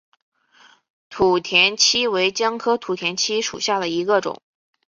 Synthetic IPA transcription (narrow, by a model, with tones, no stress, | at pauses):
t̪ʰu˨˩t̪ʰjɛ˧˥nt͡ɕʰi˥we˧˥ɪt͡ɕjɑ˥ŋkʰɤ˥t̪ʰu˨˩t̪ʰjɛ˧˥nt͡ɕʰi˥ʂṵ˨˩ɕja˥˩d̪ə˩i˧˥ɡə˧ʈ͡ʂʊ̰˨˩˦ŋ